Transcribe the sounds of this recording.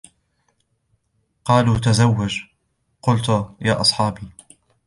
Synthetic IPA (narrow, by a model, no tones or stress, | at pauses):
qɑːluːt̪azawːad͡ʒ | qʊlt̪jaːʔɑsˤħɑːbiː